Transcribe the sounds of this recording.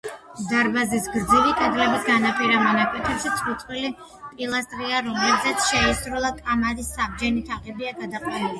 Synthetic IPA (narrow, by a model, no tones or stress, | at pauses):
d̪aɾbazisɡɾd̪zivit̪ʼɛd̪lɛbisɡanapʰiɾamɔnakʼwɛt̪ʰɛbʃit̪sʰʼχut̪sʼwili | pʼilˠast̪ʼɾiaɾɔmlɛbzɛt̪sʰʃɛisɾulˠakʼamad̪isːabd͡ʒɛnit̪ʰaqʼɛbiaɡad̪aqʼwanili